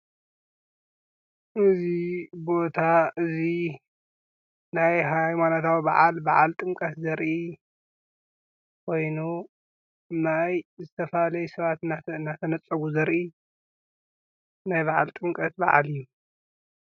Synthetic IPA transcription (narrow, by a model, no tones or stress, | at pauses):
ʔɨzibo̞t̪ʰaɨzi | najɦajmanot̪ʰawbaʕalbaʕa̰lt̪ʼɨŋkʼɐt̪zɐɾʔi | kʰo̞jnu | najzɨt̪ʰɐfɐalɐjɛsɐβat̪aɨnːat̪ʰɐnɐt͡sʼɐβuzɐɾʔi | najbaʕa̰lt̪ʼɨŋkʼɐt̪ba̰ʕa̰lijːu